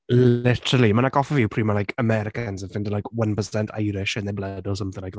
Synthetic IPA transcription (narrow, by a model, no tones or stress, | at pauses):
lɪtəɾəlˠimanaɡɔfəvjɪwpʰr̥iːmanlajkʰəmɛɾɪkənzənfɪ̃ndəlajkʰwə̃npəsɛntʰa̰jɾɪʃɪ̃nðeblədɔs̬ə̃mθɪ̃ŋajk